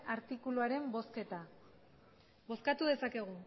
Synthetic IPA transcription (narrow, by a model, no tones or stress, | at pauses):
aɾt̪ikuluaɾe̞mbo̞ske̞t̪a | bo̞skat̪uðe̞sake̞ɣ̞u